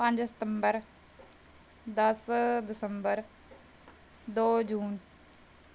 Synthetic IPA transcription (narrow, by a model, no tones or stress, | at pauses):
pə̃ɲd͡ʒsɪt̪ə̃mbəɾ | d̪ɐsd̪ɪsəmbəɾ | d̪oːd͡ʒuːn